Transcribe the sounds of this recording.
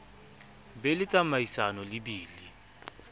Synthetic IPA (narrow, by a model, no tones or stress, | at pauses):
bɛlɪt͡sʼamaisanɔlɪbiːli